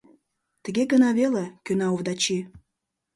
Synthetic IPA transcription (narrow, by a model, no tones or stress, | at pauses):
t̪ə̆ɣeɡənɑβelekønɑovd̪ɑt͡ɕi